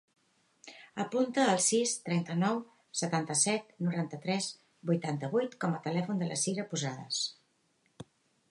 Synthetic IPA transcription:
əpunt̪əːlˠsist̪ɾɛnt̪ənɔw | sət̪ant̪əsɛt̪̚nuɾant̪ət̪ɾɛz | bujt̪ant̪əβujt̪kɔmət̪əlɛfund̪ələ̰siɾəpuzaðəs

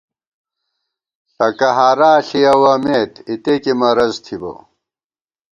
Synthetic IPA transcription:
ɬɐkɐɦaːɾaːɬijɐwɐmeːt̪it̪ekimɐɾɐzt̪ʰibɐ̰

